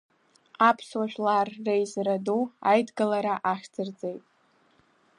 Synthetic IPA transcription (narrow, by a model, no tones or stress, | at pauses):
apʰswaʒᶣlarːejzraduajdɡɨlaɾaʔaʃᶣd͡zʼɨrd͡zʼe̞jtʼ